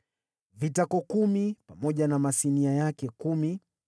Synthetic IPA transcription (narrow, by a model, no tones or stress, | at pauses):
vitakɔkumipamɔʄanamasiniajakɛkumi